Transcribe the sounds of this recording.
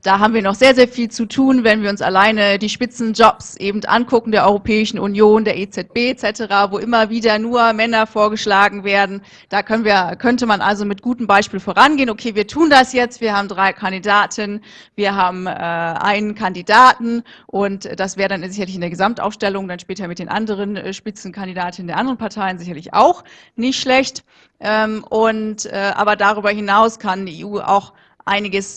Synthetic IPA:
d̥aːɦaːbmviːɐnɔχz̥eːɐzeːɐfiːlt͡sutʰuːnvɛnviːɐʊnsa̰laɪnədiːʃpɪt͡sn̩d͡ʒɔpsʔeːbm̩tʔa̰nkʰʊkŋ̩deːɐʔɔʏʁopʰɛːɪʃn̩ʔunjoːndeːɐʔet͡sɛt̚b̥eːt͡sɛtəʁaːvoːʔɪmɐviːdɐnuːɐmɛnɐfoːɐɡəʃlaːɡŋ̩veːɐdn̩ | d̥aːkʰœnənviːɐkʰœntəmanʔa̰lzomɪt̚ɡ̥uːtəm̩baɪʃpiːlfoːʁanɡeːnʔokʰeːviːɐtʰuːndasjɛt͡stv̥iːɐhaːbm̩dʁaɪkʰandidaːtʰɪn | viːɐɦaːbm̩ʔɛːʔa̰ɪnənkʰandidaːtn̩ | ʔʊntd̥asv̥ɛːʁədanzɪçɐlɪçɪndeːɐɡəzamtʔa̰ʊfʃtɛlʊŋd̥anʃpɛːtɐmɪt̚d̥eːnʔa̰ndəʁ̞ənɛʃpɪt͡sn̩kʰandidaːtɪnəndeɐʔandəʁənpʰaɐtʰaɪənzɪçɐlɪçʔa̰ʊx | nɪçtʃlɛçt | ʔɛːmʔʊntʔɛːʔa̰ːbɐdaʁ̞yːbɐɦɪnaʊskʰandiːḛːʔuːʔa̰ʊx | ʔa̰ɪnɪɡəs

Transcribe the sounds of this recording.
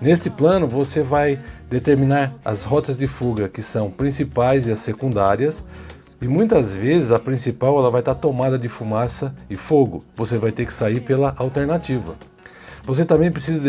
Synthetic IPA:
nest͡ʃɪplɐ̃nʊvosevajd̪et̪eɾmĩnaɾɐ̰zhɔt̪ɐzd͡ʒɪfuɡɐkɪsɐ̃w̃pɾĩsipajzɪɐsːekũnd̪aɾiɐs | ɪmũj̃t̪ɐzvezɪzɐpɾĩsipawɛlɐvajt̪aɾt̪omad̪ɐd̪ɪfumasɐɪfoɡʊ̰vosevajt̪eɾkɪ̥saiɾpelɐʔawt̪eɾnat͡ʃivɐ̰ | vos̬et̪ɐ̃mbẽj̃pɾes̬izɐ

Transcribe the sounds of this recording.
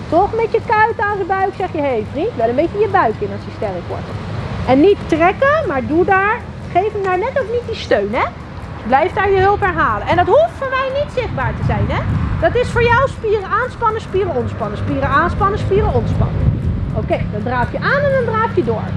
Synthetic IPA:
tɔχəmɛtjəkœɥtaːzəbœɥksɛχjəɦejfrintʋɛlˠənbejcəjəbœɥkɪnɑsjəstɛrəkʋɔ̰ɹtəɛnːitːrɛkəmaːɹdudaːɹ | χejfmədaːɹnɛtowknit̚distøɥnɦɛ | blɛjfdaːɹjəɦɵlˠpɦɛɹɦaːləʔɛndɑtɦuftfʊːɹmɛjnitsɪχd̚baːɹtəzɛjnɦɛd̥ɑtɪsfʊːɹjɔwspiːrəaːnspɑnəspiːrəɔnspɑnəspiːrəaːnspɑnəspiːrəɔnspɑ̰nə̰ʔowkejdɑndraːfjəʔaːnɛndɑndraːfjədʊːɹ

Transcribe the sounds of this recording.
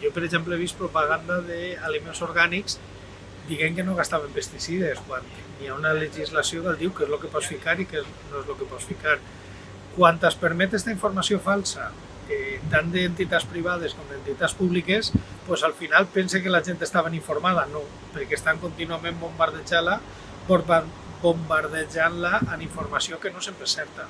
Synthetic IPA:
ʒopeɾeʒempleeβ̞ist̪̚pɾopaɣand̪aðealimensoɾɣanikz | d̪iɣeŋkenoɣ̞ast̪aβempest̪isiðeskwanː | iaunaleʒizlasiokalˠd̪iwkezlokepɔsfikaɾikez | noezlokepɔsfikaɾ | kwant̪aspeɾmet̪est̪aiɱfoɾmasiofalˠsa | et̪and̪eːnt̪it̪aspɾiβ̞að̞eskomd̪ent̪it̪aspuβlikespozalfinalˠpensekelaʒent̪est̪aβeniɱfoɾmaðano | peɾkest̪aŋkont̪inuamẽmbombaɾð̞eʒala | boɾa | bombaɾðeʒanlaːniɱfoɾmasiokenosempɾesɛɾt̪a

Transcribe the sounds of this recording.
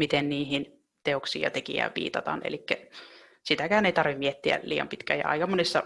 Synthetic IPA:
mit̪enniːhin | t̪eoksḭːɑt̪ekḭæ̰ːʋʋḭːt̪ɑt̪ɑ̰nḛlikːæ | sit̪ækæːneit̪ɑrʋimmiet̪ːiæ̰liːjɑmpit̪kæːjɑ̰ɑ̰ikɑmːonisːɑ

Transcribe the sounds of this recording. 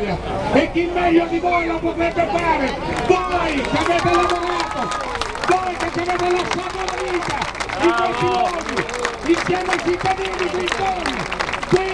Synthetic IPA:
ja | ekːimːɛʎːod̪ivojlopot̪eːt̪efaːɾevɔjkaveːt̪elaboɾaːt̪o | vojket͡ʃːaveːt̪elosakalaviːt̪ad̪ikosiloːzi | insjɛːmait͡ʃit̪ːad̪iːnikik̪oniki

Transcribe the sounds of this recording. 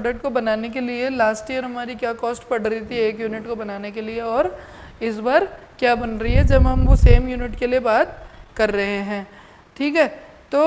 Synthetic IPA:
pɖək̚ʈkobɐnaːnek̬elielaːsʈijəɾɦɐmaːɾikjaːkɔːsʈpɐɽ̤ɾɐɦit̪ʰieːkjuːnɪʈkobɐnaːnekelieɔːɾ | ɪs̬baːɾ | kjaːbɐnɾɐɦiɦɛd͡ʒɐbɦɐ̃mʋoseːmjuːnɪʈkeliebaːt̪̚kɐɾːɐɦeɦɛ̃ː | ʈʰiːkɦɛː | t̪oː

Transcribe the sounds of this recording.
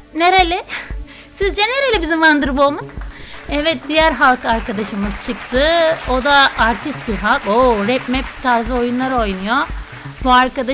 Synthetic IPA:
neɾelʲɛ | sizd͡ʒɛneɾelʲɛbizimvand̪ɯɾɯbolˠmunɛvɛt̪̚d̪ijæɾɦalˠkaɾkad̪aʃɯmɯzt͡ʃʰɯkt̪ʰɯod̪aaɾt̪ʰist̪̚biɾɦalˠkoɾɛpmɛp̚t̪ʰaɾzɯo̞junlˠaɾo̞jnujo | buaɾkad̪a

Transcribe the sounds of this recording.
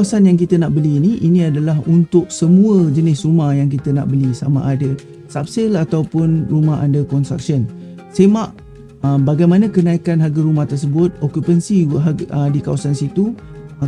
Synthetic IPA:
asanjaŋk̬it̪ənaʔbəliːniʔinĩadalaɦunt̪ʊk̚səmũəd͡ʒənɪsrumahjaŋk̬it̪əna̰ʔbəlisama̰ʔadə | sap̚sɪlat̪awpʊnrumaɦa̰ndəkɔnst̪ɾa̰k̚ʃən | semaʔ | əmbaɡajmanə̃kənaikanɦaɡaɾumaht̪ərs̬əbʊt̪̚okjupənsiɦdikawasansit̪u

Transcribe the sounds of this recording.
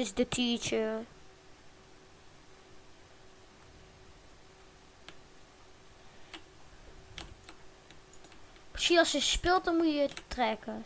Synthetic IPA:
ɪzdətʰit͡ʃə | mɪsinɑlˠsjəspɪlˠt̚dɔnmujətrɛkə

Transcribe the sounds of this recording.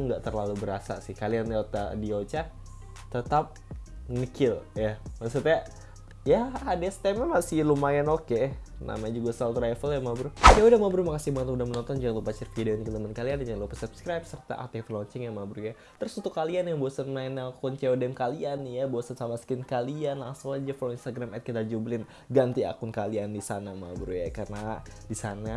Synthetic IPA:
ŋɡaʔt̪ərlalubəɾasa̰sɪhkalianiot̪a̰diot͡ʃa | t̪ət̪ap̚ŋəkɪljamasut̪a | jaadast̪amamasɪlumajɛnokena̰maɲd͡ʒuɡasalt̪ɾajfəljamabɾujaudamabɾumakasɪmaŋət̪udahmənɔnt̪ɔnd͡ʒuɡlupat͡ʃərfideonikələmənkaliand͡ʒlopəsupskɾajp̚sərt̪a̰ʔa̰t̪ɛt̪əlɔɲt͡ʃɛŋjaŋmabɾua | t̪əɾʊsut̪ukalianjaŋboasanmaɛnakʊnt͡ʃeodɛmkalianjaboasansamaskɪnkalianlasoad͡ʒafɾinst̪aɡɾamɛt̪̚kit̪ad͡ʒublɪn | ɡant̪ia̰kʊnkaliandisanama̰bɾujakarnadisana

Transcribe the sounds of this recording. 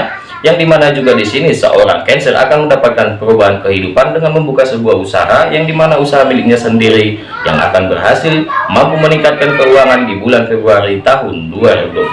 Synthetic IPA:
jaŋdimanad͡ʒuɡadisinisə̰ʔoɾa̰ŋkɛnsərʔa̰kanməndapat̪̚kanpəɾubaɦankəɦidupandəŋanməmbukasəbuahusa̰ɦajaŋdimanausaɦamilɪk̚ɲasəndiɾi | ja̰ŋa̰kanbərɦasɪlmampuməniŋkat̪̚kankəuaŋandibulanfebɾuaɾit̪aɦʊnduaɾibuda

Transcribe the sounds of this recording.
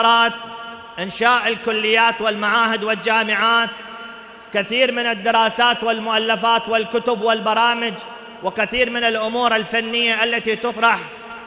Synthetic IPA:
ɾˤɑːt̪ | ʔɪnʃaːʔɪlkʊlːɪjːaːt̪wɪlmaʕaːɦɪd̪wɪld͡ʒaːmɪʕaːt̪ | kɪθiːɾmɪnɪd̪ːɪɾˤɑːsaːt̪wɪlmʊʔalːafaːt̪wɪlkʊt̪ʊbwɪlbɑɾˤɑːmɪd͡ʒ | wɪkɪθiːɾmɪnɪlʔʊmuːɾɪlfanːɪjːaʔalːat̪it̪ɨt̪ˤɾˤɑħ

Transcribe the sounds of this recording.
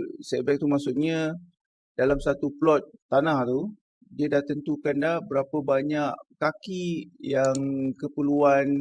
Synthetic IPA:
sɛbak̚t̪umasʊʔ̚ɲã | dalamsat̪uplɔt̪̚ːanaht̪u | diədaht̪ənt̪ukandahbəɾapəbaɲaʔkakijaŋkəpəluan

